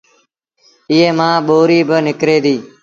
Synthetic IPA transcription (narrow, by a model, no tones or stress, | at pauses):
ɪɦeːmãːɓoːɾiːbənɪkɾeːd̪iː